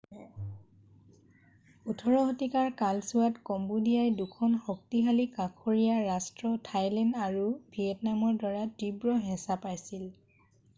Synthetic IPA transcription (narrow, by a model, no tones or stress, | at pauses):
utʰɔɹɔɦɔtikaɹkalsuwatkɔmbudijajdukʰɔnxɔk̚tiɦalikakʰoɹijaɹastɹɔtʰajlɛndaɹubʱiɛtnamɔɹdwaɹatibɹɔɦɛ̃sapajsil